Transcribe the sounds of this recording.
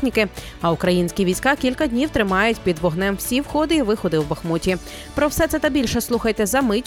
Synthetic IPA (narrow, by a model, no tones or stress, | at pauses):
nʲikɪ | ɐʊkɾɐjinʲsʲkʲiʋʲijsʲkɑkʲilʲkɐd̪ʲnʲiwt̪ɾɪmɑjʊtʲpʲid̪ʋɔɦnɛmwsʲiwxɔd̪ɪiʋɪxɔd̪ɪwbɐxmutʲi | pɾɔwsɛt̪sɛt̪ɐbʲilʲʃɛslˠuxɐjt̪ɛzɐmɪtʲ